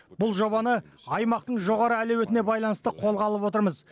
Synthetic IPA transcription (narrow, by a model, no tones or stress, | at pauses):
bʊlˠʒo̞βɑnəɑjmɑqt̪əɴʒo̞ʁɑɾəælewet̪ɪne̞bɑjlˠɑnəst̪əqʰo̞lˠʁɑlˠəpwo̞t̪əɾməz